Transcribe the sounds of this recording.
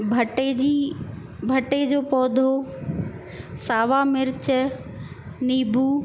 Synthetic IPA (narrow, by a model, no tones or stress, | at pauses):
bʱɐʈed͡ʑi | bʱɐʈed͡ʑoːpɔːd̪ʱo | saːʋaːmɪɾt͡ɕə | niːbʱuː